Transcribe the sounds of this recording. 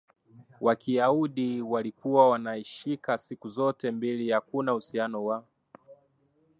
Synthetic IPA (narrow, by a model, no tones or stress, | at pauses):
wakʰiauɗiwalikuwawanaiʃikasikuzɔtɛmbilijakunahusianɔwa